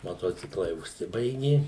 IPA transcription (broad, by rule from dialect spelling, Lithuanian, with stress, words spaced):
mɐˈtoːt͡sʲɪklˠɐɪ ʊʃʲˈsʲɪbɐɪɡʲɪ